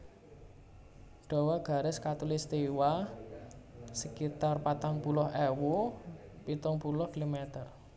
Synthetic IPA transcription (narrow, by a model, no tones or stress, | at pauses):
ɖ̥ɔ̤waɡ̥a̤ɾɪskat̪ulɪst̪iwa | səkit̪arpat̪aŋpulɔhʔɛwupit̪ɔŋpulʊhkilomɛt̪ər